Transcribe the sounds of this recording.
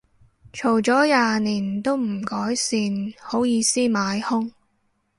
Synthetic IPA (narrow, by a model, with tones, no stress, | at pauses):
t͡ʃʰo˨˩wt͡sɔː˨˥jaː˨˧niː˨˩nt̪o˥wm̩˨˩kɔː˨˥jsiː˧nho˨˥wjiː˨˧siː˥maː˨˧˥jhʊ˥ŋ